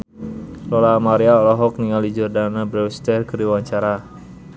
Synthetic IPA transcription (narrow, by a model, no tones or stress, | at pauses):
lɔlamaɾiaɔlɔɦɔk̚niŋalid͡ʒɔrdanabɾɛwst̪ɛrkəɾiwaɲt͡ʃaɾa